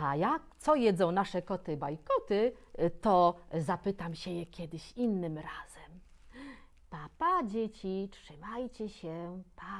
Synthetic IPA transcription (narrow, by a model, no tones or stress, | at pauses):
ajak̚t̪sɔjɛd̪zɔ̃w̃naʂɛkɔt̪ɘbajkɔt̪ɘt̪ɔzapɘt̪amɕɛjɛkʲɛd̪ɘɕinːɘmɾaz̥ɛm | papad͡ʑet͡ɕitʂɘmajt͡ɕɛɕɛpʰa